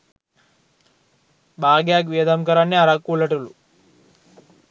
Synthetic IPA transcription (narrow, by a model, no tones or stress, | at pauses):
baːɡjaːkʋiːd̪ɐmkɐɾɐnːiɐɾakːuɭɐʈulu